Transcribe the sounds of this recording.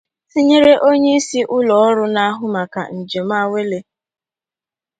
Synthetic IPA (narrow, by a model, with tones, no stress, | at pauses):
si˦ɲe˦ɾe˦ʔo˦ɲe˦i˦si˦ʔʊ˦lɔ˨ɔ˦ɾʊ˦na˦a˦ɦʊ˦ma˨ka̰˨n̩˨d͡ʒe˨m˦a˦we˦le˦